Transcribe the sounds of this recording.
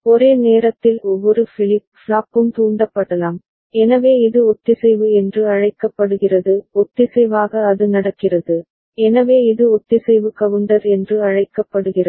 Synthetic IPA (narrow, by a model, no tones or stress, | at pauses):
ɔɾeːneːɾɐt̪ːɪlɔʋːɔɾɯfɪlɪp̚fɭaːpɯmt̪uːɳɖɐpːɐɽɐlaːm | ɛnɐʋeːɪðɯɔt̪ːɪsɛjʋɯɛndrɯɐɻɐɪkːɐpːɐɽɯɣɪrɐðɯɔt̪ːɪsɛɪʋaːɣɐːðɯnɐɽɐkːɪrɐðɯ | ɛnɐʋeːɪðɯɔt̪ːɪsɛjʋɯkɐʋɐɳɖɐɾɛndrɯɐɻɐɪkːɐpːɐɽɯɣɪrɐ